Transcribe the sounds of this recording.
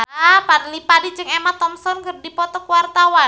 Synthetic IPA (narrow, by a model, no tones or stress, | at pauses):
padlipadid͡ʒɨŋemat̪ɔmsɔnkɨrdipɔt̪ɔkuwart̪awa